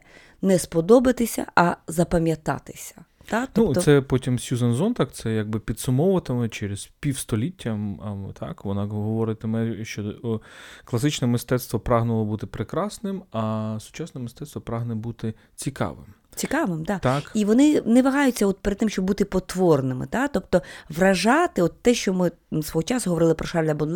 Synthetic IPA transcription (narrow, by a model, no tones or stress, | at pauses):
nɛspɔd̪ɔbɪt̪ɪsʲɐ̰ʔɐzɐpɐmʲjɐt̪ɑ̰t̪ɪ̥sʲɐ̥ | t̪atnɔuɔsɛpɔtʲimsʲjuzɐnzɔnt̪ɑkt̪sɛjaɡ̚bɪpʲid̪sʊmɔwʋɐt̪ɪmɛt͡ʃɛɾezpʲiwst̪ɔlʲitʲːɐt̪ʰɑ̰kʋɔnɑɦɔʋɔɾɪt̪ɪmɛʃt͡ʃɔ | klˠɐsɪt͡ʃnɛmɪst̪ɛt̪st̪ʋɔpɾɑɦnɐlˠɔbut̪ɪpɾɪkɾɑsnɪmɐsʊ̥t͡ʃɑsnɛmɪst̪ɛt̪st̪ʋɔpɾɑɦnɛbut̪ɪ | t͡sʲikɑ̰ʋɪ̰m | t͡sʲikɑʋɪmd̪ɑt̪akiʋɔnɪnɛʋɐɦɑjʊt͡sʲːɐɔt̪̚peɾd̪t̪ːɪmʃʲt͡ʃɔbbut̪ɪpɔt̪ʋɔrnɪmɪ̰t̪at̪ɔpt̪ɔʋrɐʒɑt̪ɪɔt̪ːɛʃt͡ʃɔmɪ | sʋɔɦɔt͡ʃɑsʊɦɔʋɔɾɪlˠɪpɾɔʃɑlʲɐbɔn